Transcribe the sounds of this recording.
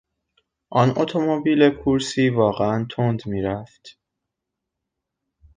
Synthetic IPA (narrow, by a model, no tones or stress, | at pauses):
ʔɒːnot̪ʰo̞mobiːlekʰuɾsiːvɒːɣeænt̪ʰond̪miːɾæft̪